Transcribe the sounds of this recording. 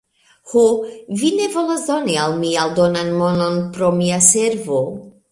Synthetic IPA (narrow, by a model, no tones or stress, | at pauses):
hovine̞vo̞lasd̪o̞nialmialdo̞nanmo̞no̞npɾo̞miaseɾvo